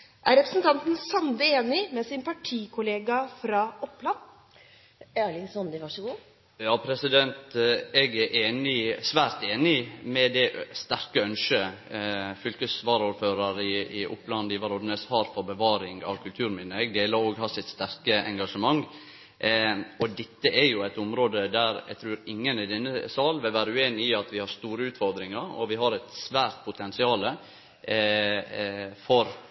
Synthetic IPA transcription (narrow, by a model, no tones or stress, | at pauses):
ʔæɾɛpɾəsnt̪ʰɑnt̪n̩sɑnd̪əeːnɪmɛsɪnpʰɑʈʰiːkʰʊleːɡɑfɾɑːɔplɑn | æɭɪnsɔnd̪əʋɑʂɔɡuː | jɑːpʰɾɛsɪd̪ɛnt̪ɛɡæɾʔeːnɪsʋæːɾt̪eːnɪmɛd̪ɛst̪æɾkəœnʃə | fʏlkəsʋɑːɾuːɾføːɾəɾɪɪʔʊ̰plɑnd̪iːʋɑɾɔd̪neshɑɾfɔɾbəʋɑːɾɪŋɑ̰ʋkʰʉlt̪ʰʉːɾmɪnəɛɡd̪eːləɾoːɡhɑsɪt̪st̪æɾkəɛŋɡɑʂəmɑŋː | ɔd̪ɛt̪ːəʔɛɾjʊæɪt̪ʊmɾoːd̪əd̪æɾɛ̰ɡt̪ʰɾʉːɾɪŋːənɪd̪ɛnːəsɑːlʋɪlʋæːɾəʉːeːnɪɪɑt̪ʋɪhɑɾst̪uːɾəʉːt̪fɔɾd̪ɾɪŋəɾɔ̰ʋɪɦɑɾɛɪt̪sʋæːɾt̪̚pʰʊt̪ʰɛnsɪɑːlə | fɔɾ